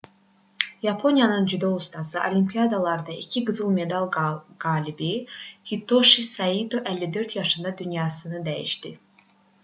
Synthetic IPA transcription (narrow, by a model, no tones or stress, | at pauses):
jɑpʰo̞nijɑnɯnd͡ʒyd̪oust̪ʰɑsɯʔolʲimpʰijɑd̪ɑlˠɑɾd̪ɑicʰiɡɯzɯlˠme̞d̪ɑlˠɡɑːlibihit̪ʰoʃisɑid̪oʔælːid̪øɾt̪ʰjɑʃɯnd̪ɑd̪ynjɑsɯnɯd̪æjḭʃd̪i